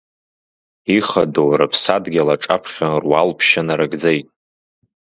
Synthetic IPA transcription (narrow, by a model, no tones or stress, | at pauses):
iχadowrapʰsadɡʲalaʈ͡ʂʼa̰pʰχʲanrwalpʰʃanaɾaɡd͡zejtʼ